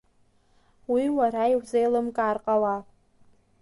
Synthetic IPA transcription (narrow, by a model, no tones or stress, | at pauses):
wiwarajwzejlɨmkʼaːrqʼawa